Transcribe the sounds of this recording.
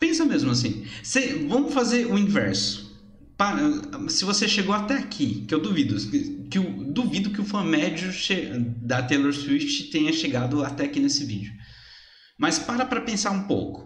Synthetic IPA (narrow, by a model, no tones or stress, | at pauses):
pẽsɐmezmʊas̬ḭ̃sevɐ̃m̃ʊfazeɾʊĩvɛ̰ɾsʊ̥ | paɾsɪvoseʃeɡowat̪ɛakʰikɪewd̪uvid̪ʊkɪʊd̪uvid̪ʊkɪʊfɐ̃mɛd͡ʒʊʃed̪ɐt̪eloɾsuit͡ʃɪ̥t̪ẽjɲɐʃeɡad̪ʊat̪ɛakinesɪvḭd͡ʒiʊ | mɐspaɾɐpɾɐpẽsaɾũpo̰wkʊ̥